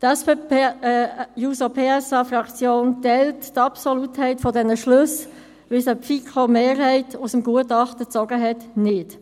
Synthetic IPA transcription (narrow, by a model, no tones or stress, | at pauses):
tɛspe | juːsopʰeːɛsɑfrɑkt͡sjoːntɛlttɑpsɔluthɛɪtfɔdɛnəʃlɵs | ʋɪsəpfikʰomeːrhɛɪtusəmɡuətɑχtət͡sɔɡəɦɛtnɪt